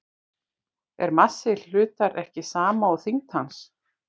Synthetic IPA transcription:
ɛ̰ɾmasːɪl̥ʏːt̪aɾɛhcɪsaːmaɔɣθiŋt̪hans

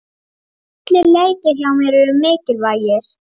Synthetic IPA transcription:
at̪lɪɾleːjtɪɾ̥çawmɛɾɛɾʏmɪːcɪlvaːjɪɾ̥

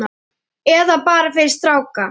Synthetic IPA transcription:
a | ɛðapaːɾafɪɾɪ̥st̪ɾaːwka

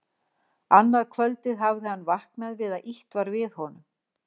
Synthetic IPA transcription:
anːaðkʰvœlt̪ɪðɦavðɪhanːvahknaðvɪðaðʔiht̪vaɾvɪðhɔnʏm

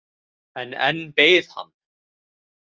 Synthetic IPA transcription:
ɛnɛ̰nbejð̥ha̰n

